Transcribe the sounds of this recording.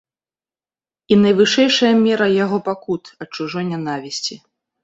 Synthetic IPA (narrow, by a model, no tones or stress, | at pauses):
in̪ɐjvɨʂɛjʂɐjɐmʲɛɾɐjaɣɔpakut̪ɐt͡ʂuʐɔjnʲanavʲisʲt͡sʲi